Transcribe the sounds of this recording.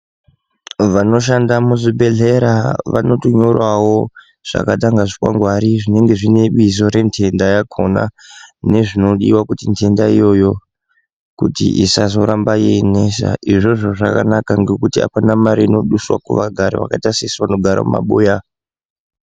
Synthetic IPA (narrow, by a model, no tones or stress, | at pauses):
ʋano̞ʃ̬andamuzibeɮe̞ɾaʋa̰no̞toɲo̞rwawo̞ | ʐ̥a̰kataŋɡaʐikwa̰ŋɡwaɾiʐine̞ŋɡe̞ʐine̞ɓizo̞ɾe̞ntʰe̞ndajakʰo̞na̰ne̞ʐino̞ɗḭwakutintʰe̞ndaijo̞jo̞ | kutḭʔisazo̞ɾambajene̞sa̰ʔiʐo̞ʐoʐakanakaŋɡe̞kutia̰panamaɾiino̞ɗuswa̰kṵʋaɡʱaɾḭʋa̰kaitasiswanoɡʱaɾa̰mṵma̰ɓuːja